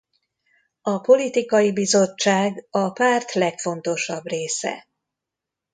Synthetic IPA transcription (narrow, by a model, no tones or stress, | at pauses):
ɒpo̞lit̪ikɒjibizo̞t͡ʃːaːɡɒpaːrt̪lɛkfo̞nt̪o̞ʃɒbreːsɛ̰